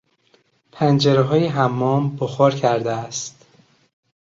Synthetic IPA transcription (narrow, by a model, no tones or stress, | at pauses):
pʰænd͡ʒeɾeɦɒːjeɦæmːɒːmboxɒːɾcʰæɾd̪eæst̪